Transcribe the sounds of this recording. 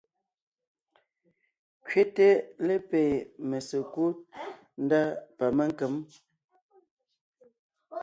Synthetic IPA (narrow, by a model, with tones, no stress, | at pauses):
kɥe˦te˦le˦pe˨me˨se˨ku˦t̚ | n̩˦da˦pa˨me˦ŋ˦ke˨˦m